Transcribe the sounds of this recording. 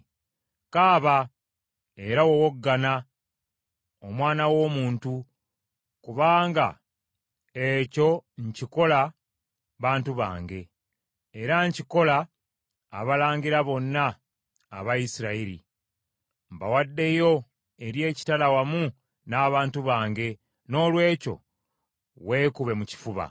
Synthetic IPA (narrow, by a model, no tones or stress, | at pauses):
kaːβa | e̞ɾawowoɡːana | omwaːnawo̞ːmuːntu | kuβaːŋɡa̰ | eco̞ɲciko̞la | βaːntuβa̰ːŋɡe̞ː | ɾaɲciko̞laː | βalaːɲɡiɾaβo̞nːa̰ː | βaisiɾaiɾḭ | mbawadːe̞jo̞ | e̞ɾje̞ːci̥talawamu | naːβaːntuβaːŋɡe̞ | no̞ːlwe̞ːco̞̰ | we̞ːkuβe̞muci̥fuβa̰